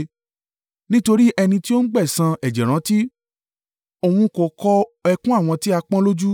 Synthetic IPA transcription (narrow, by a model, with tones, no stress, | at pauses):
nĩ˦to˧ɾi˦ʔɛ˧nĩ˧ti˦o˦n̩˦ɡ͡bɛ˦˨sã˧ɛ˨d͡ʒɛ˨ɾ̃ã˨˦ti˦ | o˨wũ˧ko˨kɔ˧ɛ˧kũ˦a˦˨w̃ɔ̃˧ti˦a˧k͡pã˦lo˦d͡ʒu˦